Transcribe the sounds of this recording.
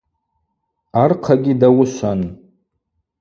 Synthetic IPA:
arqʰaɡʲidawʊʃʷan

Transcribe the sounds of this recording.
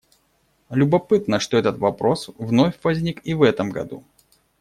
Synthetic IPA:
lʲʊbɐpɨt̪nəʂt̪o̞ɛt̪ət̪vɐpɾo̞svnofʲvɐzʲnʲikivɛt̪əmɡɐ̰d̪ṵ

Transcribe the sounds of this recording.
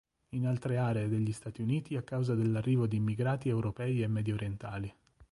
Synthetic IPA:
inalt̪ɾeaːɾeːd̪eʎːist̪aːt̪iuniːt̪iakːawzad̪elːarːiːvod̪iːmːiɡɾaːt̪iewɾopɛːiemːɛd̪jooɾjent̪aːli

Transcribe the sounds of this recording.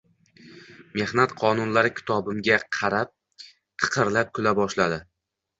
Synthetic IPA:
me̞hnat̪qʰɒnʊnlaɾɪkʲʰɪ̥t̪ʰɒbɪmɡʲaqʰɑɾap̚ | t̪ʰɨ̥qʰɨɾlap̚kʰʊlabɒʃlad̪ɪ

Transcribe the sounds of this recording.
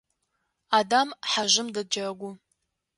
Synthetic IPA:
adamħaʒʷɪmdɐd͡ʒɐrɐɡʷʊ

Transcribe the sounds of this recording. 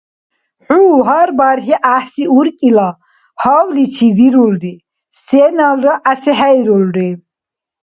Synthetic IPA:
ħuːɦaɾbaɾχiʔahsiuɾkʼila | hɔwlit͡sʰiviɾulɾi | sɛːnalɾaʔːsɛɦajɾulɾi

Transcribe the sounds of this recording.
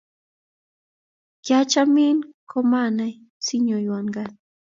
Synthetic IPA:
kat͡ʃaminkomanaj | sɪɲʊjwaŋɢɑn

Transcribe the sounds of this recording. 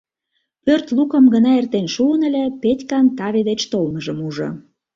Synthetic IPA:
pørt̪lukə̆mɡənɑert̪enʃuənə̆lʲepetʲkɑnt̪ɑβʲed̪et͡ɕt̪olməʒəmuʒŏ̰

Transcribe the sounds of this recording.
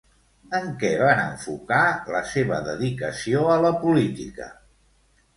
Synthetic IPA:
əŋkɛβanəɱfukaləseβə̰ðəðikəsioələpulit̪ḭkə̰

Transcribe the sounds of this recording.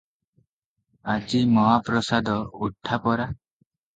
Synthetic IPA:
ad͡ʒimɔɦapɾɔsad̪ɔuʈʰːapɔɾa

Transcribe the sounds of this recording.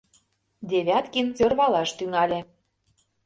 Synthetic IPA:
d̪ʲeβʲɑt̪kinsørβɑlɑʃt̪yŋɑlʲĕ

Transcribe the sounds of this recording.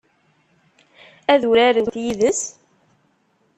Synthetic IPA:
æðuɾæɾəwt̪jiðəs

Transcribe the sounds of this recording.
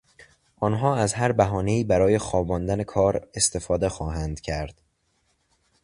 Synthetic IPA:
ʔɒːnɦɒːæzɦæɾbæɦɒːne̞iːbæɾɒːje̞xɒːbɒːnd̪æne̞kʰɒːɾe̞st̪e̞fɒːd̪e̞xɒːɦænd̪cʰæɾd̪̥

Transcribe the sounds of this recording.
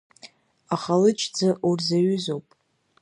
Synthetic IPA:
aχalɨt͡ʃʰʼd͡zaʔurzaɥʏzo̞wpʼ

